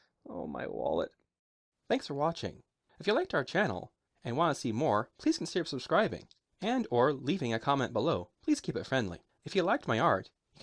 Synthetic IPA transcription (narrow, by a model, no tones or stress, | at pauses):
oʊma̰ɪwɑ̰lˠə̰t̚ | θæ̃ŋksfə˞wɑt͡ʃɪ̰̃ŋ | ɨfjɨlaɪk̚taʊə˞t͡ʃʰænl̩ˠ | ɨ̃nwɑ̃ñtəsimɔɹpʰl̥iz̥kʰn̩sɪdə˞səb̥skɹaɪbɪ̰̃ŋ | ɨ̃ndə˞livɪ̃ŋɨkʰɑmɛ̃nb̥əloʊpʰl̥iz̥kʰipɨtfɹɛ̃ndˡlḭ | ɨfjɨlaɪk̚t̚maɪɑɹt | ɨ